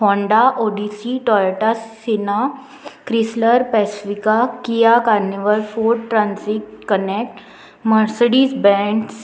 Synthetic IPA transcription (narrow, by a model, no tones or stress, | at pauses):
hɔ̃ɳɖaʔoɖisiʈɔjʈasina | kɾisləɾpɛsifikakijakaɾniʋəlfoɖʈɾãnsik̚kənek̚ʈ | məɾsəɽiːsbɛ̃ɳs